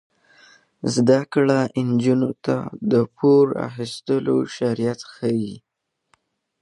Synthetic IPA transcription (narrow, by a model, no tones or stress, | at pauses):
zd̪akɽaʔɪnd͡ʒunot̪a̰d̪əpʰoɾa̰xist̪əlo̰ʃaɾijat̪xəwi